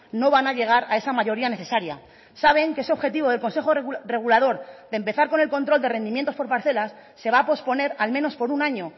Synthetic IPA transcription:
no̞β̞anaʎe̞ɣ̞aɾae̞samaʝo̞ɾiane̞θe̞saɾja̰ | saβ̞e̞ŋkee̞se̞o̞βxe̞t̪iβo̞ðe̞lko̞nse̞xore̞ɣ̞ulað̞o̞ɾðempe̞θaɾko̞ne̞lko̞nt̪ɾo̞ld̪e̞re̞nd̪imjent̪o̞spo̞ɾpaɾθe̞lasːe̞β̞aːpo̞spo̞ne̞ɾalmẽ̞no̞spo̞ɾunaɲo̞

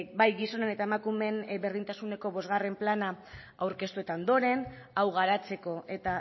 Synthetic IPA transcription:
bajɣiso̞nene̞t̪ae̞makume̞nbe̞ɾð̞int̪asune̞ko̞βo̞zɣare̞mplana | awɾke̞st̪ue̞t̪aond̪o̞ɾe̞n | awɣaɾat͡se̞ko̞e̞t̪a

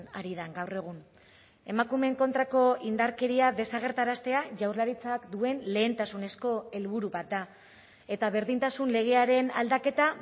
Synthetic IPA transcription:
a̰ɾiðaŋɡawre̞ɣ̞un | e̞makume̞ŋko̞nt̪ɾako̞ind̪aɾke̞ɾiaðe̞saɣ̞e̞ɾt̪aɾast̪e̞aʝawrlaɾit͡sakd̪ue̞nle̞ːnt̪asune̞sko̞e̞lβuɾuβat̪̚d̪a | e̞t̪aβe̞ɾðint̪asunle̞ɣe̞aɾe̞na̰ld̪ake̞t̪a

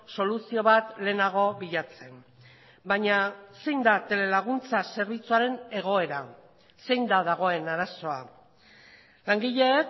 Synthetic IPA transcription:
so̞lusio̞βat̪le̞ːnaɣ̞o̞βiʎat͡se̞m | baɲase̞jnd̪at̪e̞le̞laɣ̞unt͡sase̞ɾβit͡suaɾe̞ne̞ɣ̞o̞e̞ɾa | se̞jnd̪aðaɣ̞o̞e̞naɾaso̞a̰ | laŋɡiʎe̞ːk

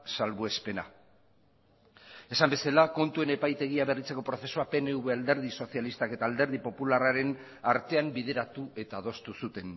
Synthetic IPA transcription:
salβuespe̞na̰ | e̞sambe̞salako̞nt̪ue̞ne̞pajt̪e̞ɣ̞iaβe̞rit͡se̞ko̞pɾo̞θe̞suape̞ne̞uβeald̪e̞ɾð̞iso̞θialist̪ake̞t̪aːld̪e̞ɾð̞ipo̞pularaɾe̞n | aɾt̪e̞ambiðe̞ɾat̪ue̞t̪aðo̞st̪usut̪e̞n

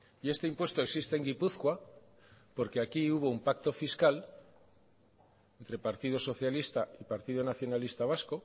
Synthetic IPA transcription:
ie̞st̪eimpwe̞st̪oe̞ksist̪eŋɡipuθkwa | po̞ɾkeakiuβ̞o̞umpak̚t̪o̞fiskal | ent̪ɾe̞paɾt̪ið̞o̞so̞θjalist̪aipaɾt̪iðo̞naθjo̞nalist̪aβ̞asko̞

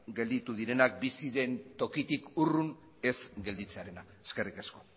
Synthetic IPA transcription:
ɡe̞ld̪it̪uðiɾe̞nak̚bisiðe̞nt̪o̞kit̪ikurun | e̞zɡe̞ld̪it͡se̞aɾe̞na | eske̞rike̞sko̞

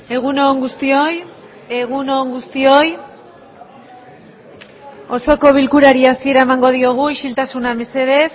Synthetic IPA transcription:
e̞ɣ̞unoŋɡust̪ioj | eɣunoŋɡust̪io̞j | o̞so̞ko̞β̞ilkuɾaɾiasie̞ɾae̞maŋɡo̞ð̞io̞ɣ̞uiʃilt̪asuname̞se̞ð̞e̞s

